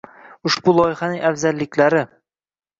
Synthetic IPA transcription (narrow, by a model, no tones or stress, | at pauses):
ʊʃbulˠɒjɪhanɪŋʔafzalːɪkʲlaɾɪ